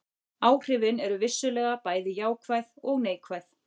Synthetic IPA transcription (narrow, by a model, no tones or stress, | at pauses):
aːwr̥ɪvɪnɛɾʏvɪsːʏlɛːɣapaːjðɪjaːwkʰvajðɔɣneːjkʰvajθ